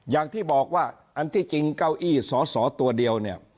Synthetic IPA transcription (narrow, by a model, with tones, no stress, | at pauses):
jaː˨˩ŋt̪ʰiː˥˩bɔː˨˩k̚waː˥˩ | ʔa˧nt̪ʰiː˥˩t͡ɕi˧ŋka˥˩wʔiː˥˩sɔː˩˦sɔː˩˦t̪u˧ɐdi˧əwni˥˩ɐ